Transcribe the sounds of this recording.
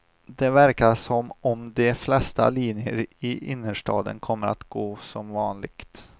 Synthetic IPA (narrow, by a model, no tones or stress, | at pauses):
d̪ɛvæɾkaʂɔmɔmd̪ɛflɛst̪a̰liːnjəɾɪʔɪnːəʂʈɑːd̪ə̰nkʰɔmːəɾʔat̪ɡ̥oːsɔmvɑːnlɪɡ̥t̪